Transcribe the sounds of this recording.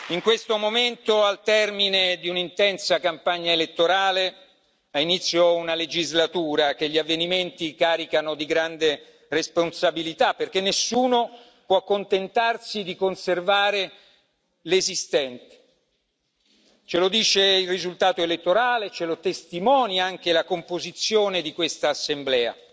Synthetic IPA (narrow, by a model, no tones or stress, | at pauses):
iŋkwest̪omoment̪oalt̪ɛrmined̪iunint̪ɛnsakampaɲːaelet̪ːoɾaːle | ainit̪sːjounaled͡ʒizlat̪uːɾak̟eʎːiavːeniment̪ikaːɾikanod̪iɡɾand̪e | responsabilit̪apːerk̟enːesːuːno | pwɔakːont̪ent̪arsid̪ikonservaːɾe | lezist̪ɛnt̪e̥ | t͡ʃelod̪iːt͡ʃeilrizult̪aːt̪oelet̪ːoɾaːlet͡ʃelot̪est̪imɔːniaŋk̟elakompozit̪sːjoːned̪ikwest̪aːsːemblɛːa̰